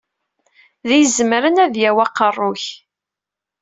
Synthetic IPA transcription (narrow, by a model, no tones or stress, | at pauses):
ðijəzmɾənæðjæwæqːərˤːʊç